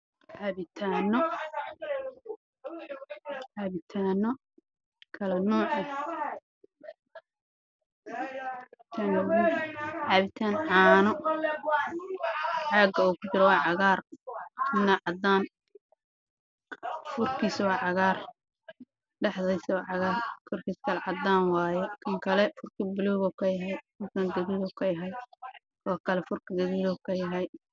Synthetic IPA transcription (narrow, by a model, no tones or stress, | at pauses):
ʕɑβɪt̪ʰaːnɔ | ʕaβɪt̪ʰaːnɔ | kʰɐlɐnɔːʕɛ | ɪt̪ʰaːnnɔʕɑːβɪt̪ʰaːnʕɑːnɔ | ʕɑːɡɐuːkʰʊt͡ʃɪɾɔwɑːʕɑɣaːrt̪ʰʊmnaʕɑd̪aːn | fʊrkʰiːswɑːʕɑɣaːr | ɖɐħðiswɑːʕɑɣaːrkʰɔrkʰiːskʰɐlɛʕɑd̪aːnwɑːjɛkʰɐŋkʰɐlɛfʊrkʰibɪlɔːɣɔkʰɐjɐɦɛj | ʊkʰɐnd̪ɐβiːlɔkʰɐjɐɦɐj | wɑːkʰɐlɛfʊrkɐd̪ɐβiːlɔkʰɐjɐɦɐj